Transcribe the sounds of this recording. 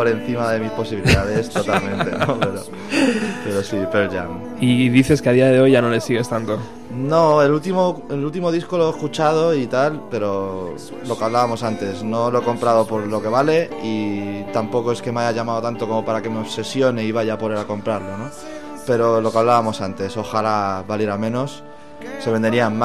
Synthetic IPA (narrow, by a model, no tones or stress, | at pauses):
poɾẽ̞n̟θimaðe̞mispo̞siβiliðaðe̞st̪o̞t̪almẽ̞nt̪enope̞ɾo | pe̞ɾo̞sipelʎa̰n | iðiθe̞skeað̞iaðeo̞jʝanole̞siɣe̞st̪ant̪o | no̞e̞lult̪imoelult̪imo̞ðisko̞lo̞ehkut͡ʃað̞o̞it̪alpe̞ɾo̞ | lo̞kaβlaβamo̞sant̪e̞sno̞lo̞e̞ko̞mpɾaðo̞po̞ɾlo̞ke̞βale̞it̪ampo̞ko̞e̞ske̞meaʝaʝamaðot̪ant̪o̞ko̞mo̞paɾake̞meoβse̞sjo̞neiβ̞aʝapoleɾako̞mpɾaɾlo̞no̞ | pe̞ɾo̞lo̞kaβlaβamo̞sant̪e̞so̞xalaβaleɾamẽ̞no̞sː | e̞βe̞nd̪e̞ɾiamm